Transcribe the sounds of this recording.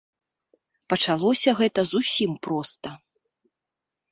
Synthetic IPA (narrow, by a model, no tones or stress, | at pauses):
pɐt͡ʂalˠɔsʲɐɣɛt̪ɐzusʲimpɾɔst̪ɐ